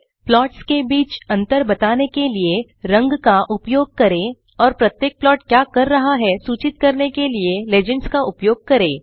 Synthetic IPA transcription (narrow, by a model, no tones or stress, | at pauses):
plɔːʈskebiːt͡ʃɐ̃nt̪əɾbɐt̪aːnekelie | ɾɐ̃ŋɡkaʔʊpjoːɡ̚kɐɾẽː | ɔːɾpɾɐt̪jeːk̚plɔːʈkjaːkɐɾːɐɦaɦɛsuːt͡ʃɪt̪̚kɐɾnekelieleːd͡ʒə̃ɳʈskaʔʊpjoːɡ̚kɐɾẽː